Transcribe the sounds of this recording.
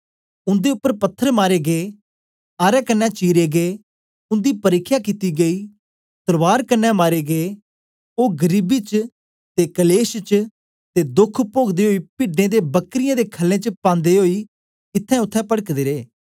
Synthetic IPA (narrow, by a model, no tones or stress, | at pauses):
ʊ̃nd̪eʊpːəɾpət̪ʰːəɾmaːɾeːɡeː | aːɾɛːkənːɛt͡ʃiːɾeːɡeː | ʊ̃nd̪iːpəɾɪkʰːjakit̪iɡəiː | t̪əɾʋaːɾkənːɛmaːɾeːɡeː | oːɡəɾiːbit͡ʃ | t̪eːkəleːst͡ʃ | t̪ed̪ʊkʰpoːɡd̪eːɦoːiːpɪːɖnẽd̪eːbəkɾɪjãd̪eːkʰəlːẽːt͡ʃəpãːnd̪eːɦoːi | ɪt̪ʰːɛ̃ʊt̪ʰːɛ̃pəɽəkd̪eːɾeː